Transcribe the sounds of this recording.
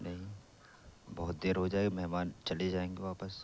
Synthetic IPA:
nɐɦĩ | bɔɦʊt̪̚d̪eːɾɦod͡ʒaːeɡemɛɦmaːnt͡ʃɐled͡ʒaːẽːŋɡeʋaːpəs

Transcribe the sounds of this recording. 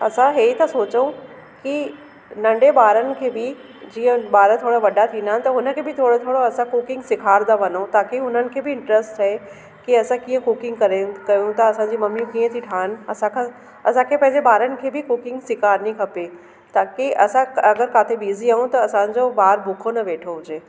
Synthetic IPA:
ɐsãɦeːit̪ɐsoːt͡ɕəũ | ki | nɐ̃ɳɖebaːɾənɪ̆kʰeːbɪ | d͡ʑĩːə̃baːɾət̪ʰoːɽaʋɐɖat̪ʰĩːnd̪aːɪnɪ̆t̪ɐɦʊnə̆kʰeːbɪt̪ʰoːɽot̪ʰoːɽoɐsãkukɪ̃ŋɡsɪkʰaːɾd̪aʋɐnot̪aːkʰeɦʊn̤ənɪ̆kʰeːbɪɪ̃ɳʈɾəsʈʰaɦe | kiɐsãkĩːə̃kʊkɪ̃ŋɡkɐɾekɐjũt̪ɐːsãd͡ʑiːmɐmjũkiːə̃t̪ʰiʈʰaːnɐsãkʰã | ɐsãkʰepɐ̃ɦɪ̃ɲd͡ʑebaːɾənɪ̆kʰeːbɪkʊkɪ̃ŋɡsɪkʰaːɾnikʰɐpe | t̪ʰaːkiɐsãɐɡəɾkaːt̪ʰebiːziaːũt̪ɐɐsãːɲd͡ʑobaːɾbʱʊkʰonɐʋeːʈʰoɦʊd͡ʑeː

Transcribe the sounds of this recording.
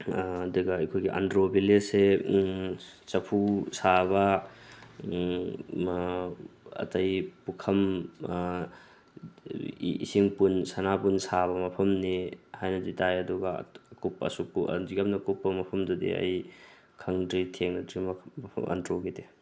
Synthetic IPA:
ɐduɡɐɐjkʰojɡiʔa̰ndɾobilese | t͡ʃɐpʰusaβɐ | ɐ̰tɐjpukʰɐm | ḭsiŋpunsanapunsaβɐmɐpʰɐmnihajnɐditajɐduɡɐ̰kupːɐ̰sukṵdiɡam̚nɐkupːɐmɐpʰɐmdudḭɐ̰j | kʰɐŋdɾitʰeŋnɐdɾimpʰɐ̰ʔɐ̰ndɾoɡite

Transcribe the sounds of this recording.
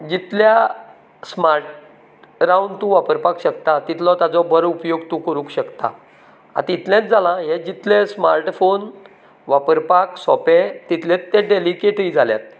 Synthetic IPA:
d͡ʑit̪lja | smaɾʈ | ɾawɳɖt̪ũʋapəɾpakɕəkt̪at̪it̪ʰlɔt̪jad͡zɔbʱəɾupjoɡ̚t̪ũkəɾũːkɕəkt̪a̰ | a̰t̪it̪ʰlẽt͡s̪d͡zalãɦed͡ʑit̪lẽsmaɾʈfon | ʋapəɾpaksɔpẽt̪it̪ʰlẽt̪ːeɖelikeʈiːd͡zʱalja̰t̪̚

